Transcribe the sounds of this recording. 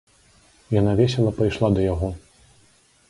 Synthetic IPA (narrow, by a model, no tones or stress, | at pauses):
janavʲɛsʲɛlˠɐpɐjʂlˠad̪ɐjaɣɔ